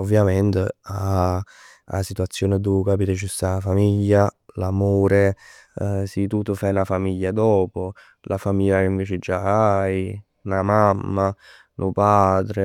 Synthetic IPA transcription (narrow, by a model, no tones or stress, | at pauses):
ovːjament̪ea | a̰sit̪uat̪sːjoːned̪ukapiːt̪et͡ʃust̪afamiʎːalamoːɾe | sit̪ut̪ːʊfajnafamiʎːad̪ɔːpʊ | lʔafamiʎːakeiɱveːt͡ʃed͡ʒaaj | namamːa | nʊpad̪ɾe